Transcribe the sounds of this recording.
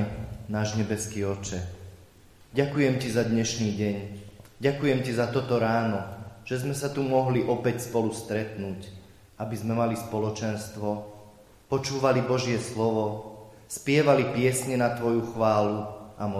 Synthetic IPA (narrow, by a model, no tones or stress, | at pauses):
naːʒɲɛbɛskiːɔt͡ʃɛ | ɟakujɛmcizad̪ɲɛʃniːɟɛɲɟakujɛmcizat̪ɔt̪ɔɾaːnɔʒ̥ɛzmɛsat̪umɔɦliʔɔpɛcspɔlust̪ɾɛt̪nuːc | abizmɛmalispɔlɔt͡ʃɛnst̪ʋɔ | pɔt͡ʃuːʋalibɔʒɪɛslɔʋɔ | spɪɛʋalipɪɛsɲɛnat̪ʋɔjuxʋaːluamɔ